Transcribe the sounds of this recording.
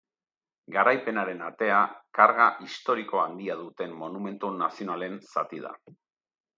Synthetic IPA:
ɡaɾajpe̞naɾe̞nat̪e̞akaɾɣaʔist̪o̞ɾiko̞and̪iaðut̪e̞mːo̞nume̞nt̪unasio̞nale̞nsa̰t̪ið̞a̰

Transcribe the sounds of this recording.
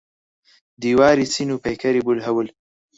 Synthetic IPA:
d̪iwɑːɾit͡sinupɐjkʰɐɾibulɦɐwul

